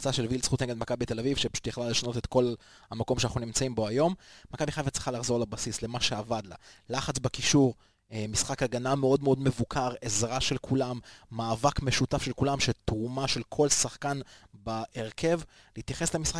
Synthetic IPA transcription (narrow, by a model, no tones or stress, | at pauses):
t͡saʃelvilsχut̪neɡed̪makabit̪e̞lavivʃepḁʃu̥t̪jeχlale̞ʃano̞tet̪ko̞l | hamako̞mʃanaχnunimt͡saimbo̞ajo̞mmakabiχavitt͡si̥χalaχzolebasisle̞maʃe̞avad̪la̰laχat͡sbakiʃuʁ | misχakaɡanameo̞dmeo̞dme̞vukʰaʁezʁaʃe̞lkʰulamːaːvakme̞ʃutafʃelkulamʃet̪ʁumaʃe̞lkʰo̞lsaχkanbaʔeʁkʰe̞v | liit̪jaχe̞slemisχa